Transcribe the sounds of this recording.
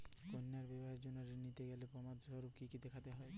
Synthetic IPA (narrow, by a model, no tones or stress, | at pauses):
konːaɾbɛbɔɦeɾd͡ʑonːɔɾenit̪eɡɛlepɔmad̪sɔɾub̚kikit̪ekʰat̪eɦɔe